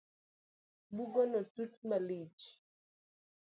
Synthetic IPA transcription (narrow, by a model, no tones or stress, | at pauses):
buɡɔnɔtutmalit͡ʃ